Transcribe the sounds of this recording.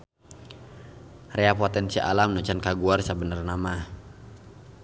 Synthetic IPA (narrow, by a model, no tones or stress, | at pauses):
reapot̪ɛnsiʔa̰lamnut͡ʃankaɡuarsabənərnama